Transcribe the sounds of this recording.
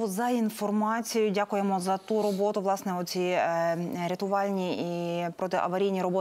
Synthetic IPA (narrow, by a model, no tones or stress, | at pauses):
ɔzɐinfɔrmɑt͡sʲijʊdʲakʊjemɔzɐt̪uɾɔbot̪ʊʋlˠɑsnɛɔt̪ʲt͡sʲi | ɾʲet̪ʊʋɑlʲnʲiippɾɔt̪ɪʔɐ̰ʋɐɾʲijnʲiɾɔbɔ